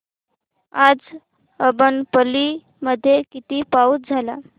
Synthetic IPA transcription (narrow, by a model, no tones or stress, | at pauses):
ad͡z | əbənpəli | məd̪ʱːjekit̪iːpauːt̪̚d͡zʱala